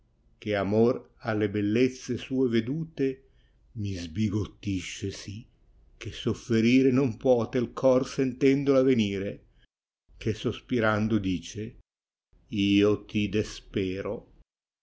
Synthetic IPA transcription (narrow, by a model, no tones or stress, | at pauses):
k̟eamor | alːebelːet̪sːesuːeved̪uːt̪e | mizbiɡot̪ːiʃːesi | kesofːeɾiːɾenompwɔːt̪elkʰɔrsɛnt̪ɛnd̪olaveniːɾe | kesospiɾand̪ʊd̪iːt͡ʃe | iːot̪id̪espɛːɾo